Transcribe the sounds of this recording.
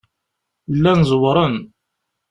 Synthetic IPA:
lːænzˤwɾˤən

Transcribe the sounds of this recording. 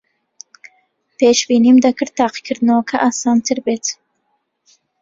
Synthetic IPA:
pʰeːʃbiːnimd̪ɐkɨɾ̚t̪ːɑːqi̥kʰɨɾd̪ɨnowkʰɐʔaːsɑːnt̪ʰɨɾbeːt̪

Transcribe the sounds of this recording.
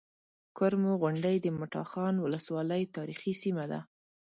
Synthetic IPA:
kʊɾmoɣʊɳɖəjd̪əmʊʈɑ̰xɑnwʊləswɑləjt̪ɑɾixisimad̪a̰

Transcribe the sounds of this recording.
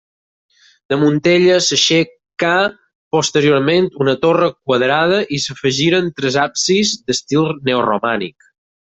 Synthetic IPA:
d̪əmunt̪eʎəsəʃe | ka | post̪əɾioɾment̪unət̪orəkwəðɾað̞əʔisəfəʒiɾənt̪ɾəzapsizd̪əst̪ilˠneoromanḭk

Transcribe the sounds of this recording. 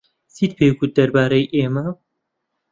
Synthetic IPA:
siːt̪̚pʰeːɡut̪̚d̪ɐɾbaːɾɐjʔeːmɐ

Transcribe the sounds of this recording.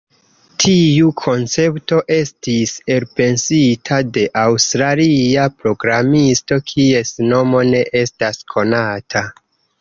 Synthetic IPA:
tʰiukʰo̞nt͡se̞pto̞ʔe̞stise̞lpe̞nsitʰade̞ʔawstɾaliapɾo̞ɡɾamisto̞kʰie̞sno̞mo̞ne̞ʔe̞staskʰo̞natʰa

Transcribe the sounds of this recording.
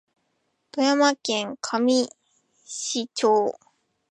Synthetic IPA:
pɯ̟jamakẽŋkʰamʲi | ɕit͡ɕoː

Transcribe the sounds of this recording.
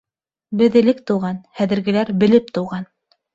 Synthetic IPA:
bɘ̆ðɘ̆lɘk̚t̪ŏwʁɑnhæðɘ̆ɾɡɘ̆læɾbɘ̆lɘp̚t̪ɤ̆wʁɑn

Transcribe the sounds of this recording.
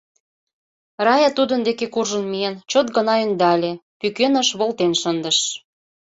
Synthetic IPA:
rɑjɑt̪ud̪ə̆nd̪ekekurʒə̆nmient͡ɕot̪̚ɡə̆nɑynd̪ɑlʲepykønəʃβolt̪enʃənd̪ə̆ʃ

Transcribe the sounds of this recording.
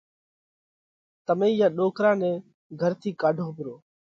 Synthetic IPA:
t̪əmẽːjãːɗoːkɾãːnɛ̃ː | ɡʱəɾt̪ʰiːkaːɖʱõːbɪɾoː

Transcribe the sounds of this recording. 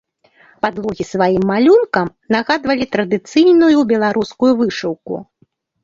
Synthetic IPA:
pad̪lˠɔɣʲisvajimːalʲunkɐm | naɣad̪vɐlʲit̪ɾɐd̪ɨt̪sɨjnujubʲɛlˠaɾuskujuvɨʂɨwkṵ

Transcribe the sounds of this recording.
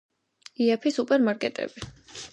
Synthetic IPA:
iapʰisupʼɛɾmaɾkʼɛt̪ʼɛ̰b̥i

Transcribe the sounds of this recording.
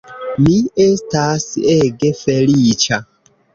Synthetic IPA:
miestaseɡefelit͡ʃa

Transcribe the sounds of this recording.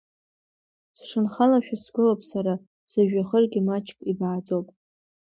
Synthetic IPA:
sʂɨnχalaʃᶣasɡɨlopʼsaɾa | z̥aʒᶣaχərɡʲɪmat͡ʃʰʼkʼibaːt͡sʼowpʼ

